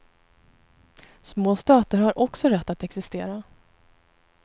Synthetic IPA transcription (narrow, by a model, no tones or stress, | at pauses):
smoːst̪ɑːt̪əɾhaɾʔɔksɔɾɛt̪ːat̪ɛksɪst̪eːɾa